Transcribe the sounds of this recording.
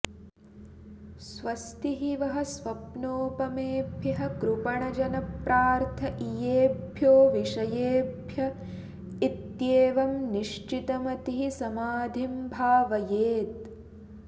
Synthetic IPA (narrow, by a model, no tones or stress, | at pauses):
sʋɐst̪iɦiʋɐɦɐ̆sʋɐpnoːpɐmeːbʱjɐɦɐ̆kɾupɐɳɐd͡ʒɐnɐpɾaːɾt̪ʰɐʔijeːbʱjoːʋiʂɐjeːbʱjɐ | it̪jeːʋɐmniʃt͡ʃit̪ɐmɐt̪iɦisɐmaːd̪ʱimbʱaːʋɐjeːt̪̚